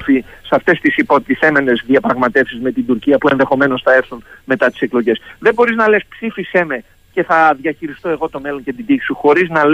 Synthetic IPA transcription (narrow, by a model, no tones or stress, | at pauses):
fisɐft̪e̞st̪isipo̞t̪iθe̞me̞ne̞zðiɐpɾɐɣmɐt̪e̞fsizme̞t̪ind̪uɾciɐpue̞nðe̞xo̞me̞no̞sθɐe̞ɾθunme̞t̪ɐt̪i̥se̞klo̞ʝe̞sðe̞bo̞ɾiznɐlespsifise̞me | ce̞θɐðʝɐçiɾist̪o̞e̞ɣo̞t̪o̞me̞lo̞nced̪id̪i̥suxo̞ɾiznɐl